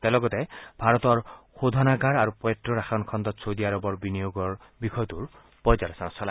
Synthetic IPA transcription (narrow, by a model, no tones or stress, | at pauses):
t̪elɔɡɔt̪ebʱaɾɔt̪ɔɾxod̪ʱɔnaɡaɾaɾupet̪ɾɔɾaxʰɔnkʰɔnd̪ɔt̪sʰod̪iaɾɔbɔɾbinijoɡɔɹ | bikʰɔjt̪uɾ | pɔjd͡ʒaɾɔsaɾɔsʰɔla